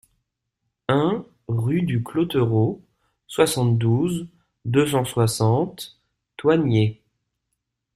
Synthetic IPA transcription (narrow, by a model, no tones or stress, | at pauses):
ɛ̃ | ʁyd̪yklot̪øʁo | swasɑ̃t̪d̪uz | d̪øsɑ̃swasɑ̃t̪ː | wanje